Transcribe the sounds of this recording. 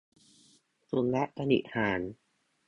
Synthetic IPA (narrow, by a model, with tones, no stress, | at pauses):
su˧nlɛ˦˥ʔka˧nḭ˨˩t̪̚haː˩˦n